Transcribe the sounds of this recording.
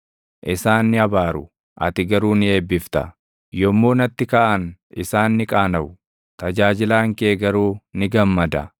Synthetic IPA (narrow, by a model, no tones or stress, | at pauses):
ʔɪsaːnːɪɐbaːɾʊ | ʔɐ̰t̪ɪɡɐɾuːnɪe̞ːbːɪft̪ɐ̰ | jɔmːoːnɐt̪ːɪkaːʔɐnʔɪsaːnːɪkʼaːnɐʔʊ | t̪ɐd͡ʒaːd͡ʒɪlaːŋkeːɡɐɾuːnɪɡɐmːɐd̪ɐ